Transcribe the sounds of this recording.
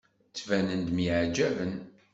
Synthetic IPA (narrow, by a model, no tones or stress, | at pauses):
t͡sːvænənd̪miʕd͡ʒævən